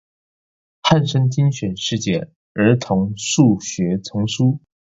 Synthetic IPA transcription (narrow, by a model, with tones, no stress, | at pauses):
xa˥˩nʂə˥ŋt͡ɕi˥nɕɥɛ˨˩nʂɻ̩˥˧t͡ɕjɛ˥˩ | ə˞˧˥t̪ʰʊ˧˥ŋʂu˥˩ɕɥɛ˧˥t͡sʰʊ˧˥ŋʂu˥